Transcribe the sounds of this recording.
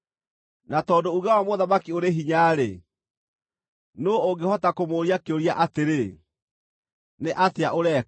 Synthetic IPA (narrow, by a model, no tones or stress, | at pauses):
natɔːdouɣawamoðamakioɾeɦiɲaːɾe | noooŋɡehɔtakomoːɾiakeoɾiaʔateɾe | neʔateaʔoɾɛ